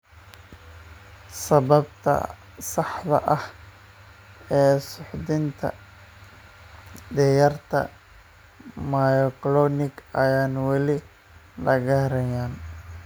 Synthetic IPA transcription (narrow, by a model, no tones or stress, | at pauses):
sɐβɐbt̪ʰɐ̰ | sɑħd̪ɐ̰ʔɐh | ɛːsʊħd̪ɪnt̪ʰɐ̰ | d̪ɛjɐrt̪ʰɐ̰ | majɔklɔːnɪɡɐjaːnwɑlɪ | lɐɣɐɾɛjaːn